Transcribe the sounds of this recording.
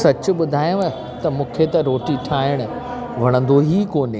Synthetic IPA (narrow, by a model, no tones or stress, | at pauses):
sɐt͡ɕʊ̆ɓʊd̪ʱaːjõ | t̪ɐmũːkʰet̪ɐɾoːʈiʈʰaːɪɽ̃ʊ̆ | ʋ̤ɐɽ̃ə̃nd̪oɦikoːnɪ